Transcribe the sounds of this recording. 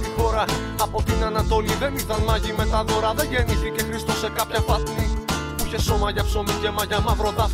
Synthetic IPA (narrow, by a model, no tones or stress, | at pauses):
ixo̞ɾɐː | po̞t̪inɐnɐt̪o̞liðe̞nit̪ɐnmɐʝime̞t̪ɐðoɾɐðe̞ʝe̞niθice̞xɾist̪o̞se̞kɐpçɐpɐipuiçeso̞mɐʝɐpso̞micemɐʝɐmɐvɾo̞t̪ɐ